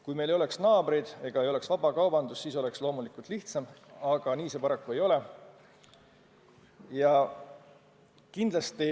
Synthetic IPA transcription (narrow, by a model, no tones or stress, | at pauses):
kujme̞jle̞jo̞le̞ksnɑːbɾid̪̥e̞ɡ̥ɑejo̞le̞ksvɑb̥ɑkɑwbɑnd̪usːiːso̞le̞kslo̞ːmulikˑult̪liht̪sɑmɑɡ̥ɑniːse̞pɑɾɑkːue̞jo̞le̞ | jɑ | kind̪̥lɑst̪i